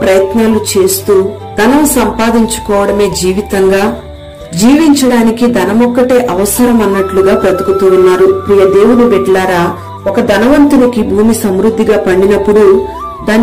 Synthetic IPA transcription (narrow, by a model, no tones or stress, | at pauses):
pɾɐjɐt̪naːlut͡ʃe̞ːst̪uː | d̪̥ɐnɐmusɐmpaːd̪iɲt͡ʃu̥kɔːʋɐɽɐme̞ːd͡ʒiːʋit̪ɐŋɡaː | d͡ʒiːʋiɲt͡ʃɐɽaːnikid̪ɐnɐmɔkːɐʈe̞ːʔɐʋɐsɐɾɐmɐnːɐʈluɡaːpɾɐt̪ukut̪uːunːaːɾupɾiːjɐd̪e̞ːwunibɛʈlaːɾaː | ɔkɐd̪ɐnɐʋɐnt̪unikibʱuːmisɐmɾud̪ʱːiɡaːpɐɳɖinɐpːuɽu | d̪aːn